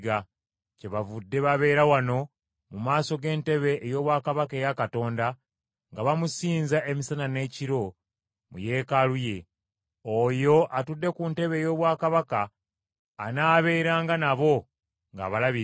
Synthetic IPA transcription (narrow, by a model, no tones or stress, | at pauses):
ɡa | ce̞βavudːe̞βaβe̞ːɾawano̞ | mumaːso̞ɡe̞ːnte̞βe̞ʔːjo̞ːβwaːkaβake̞ːjakato̞ːnda | ŋɡaβamusiːnzaʔemisanane̞ːciɾo̞ | mṵje̞ːkaluje̞ | ojo̞ʔatudːe̞kunte̞βe̞ːjo̞ːβwaːkaβakaː | naːβe̞ːɾaːŋɡanaβo̞ | ŋɡa̰ːβalaβi